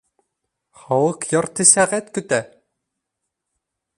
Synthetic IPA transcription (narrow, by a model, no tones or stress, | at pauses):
χɑwɤqjɒrt̪ɘsæʁæt̪kɵt̪æ